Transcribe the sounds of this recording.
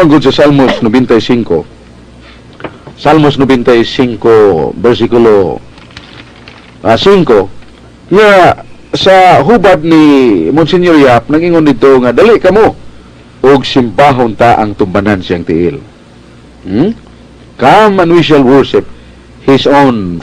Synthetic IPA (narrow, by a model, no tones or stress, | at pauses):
aŋɡʊd̪sasalmosnobɛnt̪aisiŋko̰ | salmosnobɛnt̪aisiŋkobɛɾsikʊlo | asiŋko | ŋa | saɦubad̪̚nimʊnsinjoɾjap̚naɡʔiŋond̪id̪̚t̪oŋad̪alɪʔkamo | ʔʊɡsɪmbaɦʊnt̪aʔa̰ŋt̪ʊmbanansiaŋt̪ɪʔɪ̰l | kamanwiʃ̬alwɔɹʃɪp̚ | hɪson